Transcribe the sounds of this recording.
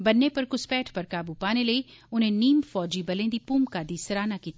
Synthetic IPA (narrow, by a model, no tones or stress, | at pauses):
bɐnːepɐɾkʊspɛːʈʰpɐɾkaːbupaːneleːʊnɦẽniːmfɔːd͡ʒibɐlẽd̪ipuːmkaːd̪isɐɾaːnakiːt̪ː